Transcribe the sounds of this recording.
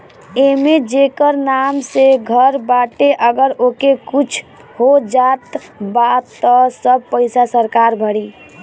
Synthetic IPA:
emed͡ʒekəɾnamseɡʱəɾbaʈeʔəɡəɾokekut͡ʃʰ | hod͡ʒat̪bat̪ːɔsəb̚pəɪsasəɾkaɾbʱəɽi

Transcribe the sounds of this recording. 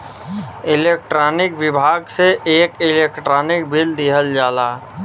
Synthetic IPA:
ɪleːk̚ʈɾɔːnɪkʋɪbʱaːɡseʔeːkɪleːkʈɾɔːnɪk̚bʱild̪iɦəld͡ʒaːlaː

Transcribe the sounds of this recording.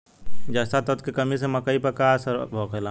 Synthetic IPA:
d͡ʒast̪at̪ət̪kekɐmisemɐkəipɐɾkasəɾbʱoːkelaː

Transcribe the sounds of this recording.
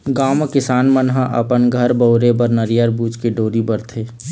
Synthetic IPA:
ɡaːmkɪsaːnmənɦəʔə̰pənɡʱəɾbəʊɾebəɾnəɾijəɾbuːd͡ʒkeɖoːɾibəɾt̪ʰeː

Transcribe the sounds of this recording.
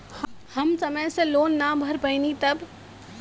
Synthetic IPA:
hhəmsəməjseloːnːabʱəɾpənit̪əb

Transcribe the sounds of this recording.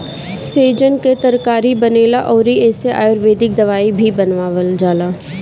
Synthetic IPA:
seːd͡ʒənket̪əɾkaːɾibəneːlaʔɔːɾieːseʔa̰ːjʊɾʋeːd̪ɪk̚d̪əʋaːibʱibənʋaːʋəld͡ʒaːlaː

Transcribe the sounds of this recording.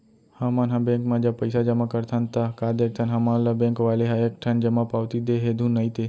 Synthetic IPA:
həmãnɦãbẽːŋkmãd͡ʒapəɪsad͡ʒəmakəɾt̪ʰant̪akad̪eːk̚ʰt̪ʰanɦəmãlabẽːŋkʋaːleɦaek̚ʈʰənd͡ʒəmapaːʋt̪id̪eɦed̪ʱũnɐit̪e

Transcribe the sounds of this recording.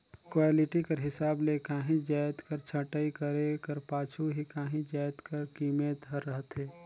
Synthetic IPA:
kwaːlɪʈikɐɾɦɪsaːbleːkaːɦĩd͡ʒaːjt̪kəɾt͡ʃʰɐʈəikəɾekɐɾpaːt͡ʃʰuɦikaːɦĩd͡ʒaːjt̪kəɾkiːmeːt̪ɦəɾəɦət̪ɦeː

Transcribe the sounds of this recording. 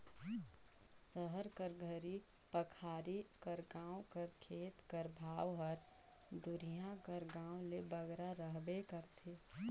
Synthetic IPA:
səɦəɾkəɾɡʱəɾi | pəkʰaːɾikəɾɡãːw̃kəɾkʰeːt̪kəɾbʱaːʋɦəɾ | d̪ʊɾijãkəɾɡãːõlebəɡɾaɾəɦbekəɾt̪ʰeː

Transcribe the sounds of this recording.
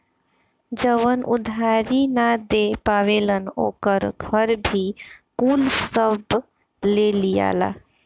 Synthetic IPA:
d͡ʒəʋənʔʊ̰d̪ʱaɾinad̪epaːʋeləno̰ːkəɾɡʱəɾbʱikuːlsəb | lelija̰ːla̰

